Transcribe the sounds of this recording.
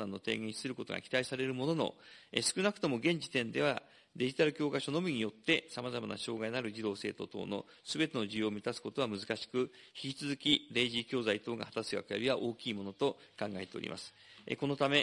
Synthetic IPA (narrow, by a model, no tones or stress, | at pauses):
onãnːo̞t̪e̞̰ːɡẽ̞ɕi̥sɨɾɯ̟ko̞t̪o̞̰ɡa̰kʲi̥t̪aisaɾe̞ɾɯ̟mo̞no̞no̞̰esɨ̥kɯ̟nakɯ̟̥t̪o̞mo̞ɡẽ̞ɲ̟d͡ʑit̪ẽ̞nd̪e̞βa | d̪e̞ʑit̪aɾɯ̟kʲo̞ːkaɕo̞no̞mʲiɲ̟ijo̞t̪ːe̞samazamana̰ɕo̞ːɡainaɾɯ̟d͡ʑid̪o̞ːse̞ːt̪o̞̰t̪o̞̰ːno̞̰ | sɨbe̞t̪e̞no̞ʑɨjoːmʲit̪asɨ̥ko̞t̪o̞βamɯ̟zɨkaɕi̥kɯ̟çi̥kʲit͡sɨzɨkʲiɾe̞ːʑikʲo̞ːzait̪o̞ːɡa̰hat̪asɨɡa̰kɯjabʲiβaʔo̞ːkʲiːmo̞no̞t̪o̞kãŋɡae̞t̪e̞oɾʲḭmʔa̰sɨ̥ḛko̞not̪ame̞